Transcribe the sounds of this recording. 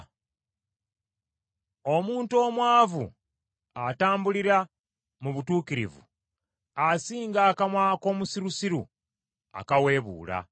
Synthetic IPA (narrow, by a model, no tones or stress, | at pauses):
o̞muːnto̞ːmwaːvṵ | ataːmbuliɾa | muβutuːkiɾḭvṵ | asiːŋɡaːkamwaːko̞ːmusiɾusiɾṵ | a̰kawe̞ːβṵːla̰